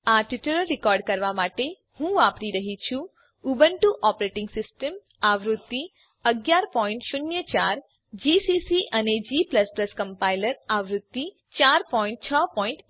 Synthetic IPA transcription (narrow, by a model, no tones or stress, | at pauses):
aʈɪʈuləlːɪkɔːɾɖ̚kəɾʋamaʈe | hũʋapɾiɾəɦit͡ʃʰũ | ubənʈuʔɔpɾeʈɪŋɡsɪsʈəm | aʋɾʊt̪ːi | əɡjaɾpɔːɪ̃ɳʈʃʊnjət͡ʃaːɾ | d͡ʒisisiʔəned͡ʒiːpləspləskə̃mpailəɾaʋɾʊt̪ːi | t͡ʃaɾpɔːɪ̃ɳʈ̚t͡ʃʰəpɔːɪ̃ɳʈ